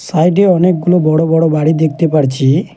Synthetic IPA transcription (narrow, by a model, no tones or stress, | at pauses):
sajʈeɔnek̚ɡulobɔɽobɔɽobaɽid̪ek̚ʰt̪epaɽt͡ʃʰi